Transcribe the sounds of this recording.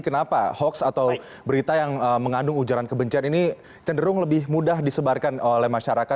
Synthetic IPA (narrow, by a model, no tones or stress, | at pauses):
kənapahɔksat̪aw | bəɾit̪ajaŋəməŋandʊŋud͡ʒaɾankəbəɲt͡ʃianini | t͡ʃəndəɾʊŋləbɪɦmudaɦdisəbarkanolɛhmaʃaɾaka